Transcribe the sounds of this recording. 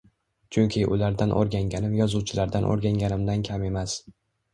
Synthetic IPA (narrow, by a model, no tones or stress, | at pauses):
t͡ʃʰʊŋʲkʲʰɪʔʊ̰laɾd̪anʔo̰ɾɡʲaŋɡʲanɪmjɒzuwt͡ʃʰɪlaɾd̪anʔo̰ɾɡʲaŋɡʲanɪmd̪ankʲʰame̞mas